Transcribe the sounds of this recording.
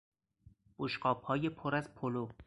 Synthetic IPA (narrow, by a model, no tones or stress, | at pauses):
b̥oʃɢɒːbhɒːjepʰoɾæzpʰolo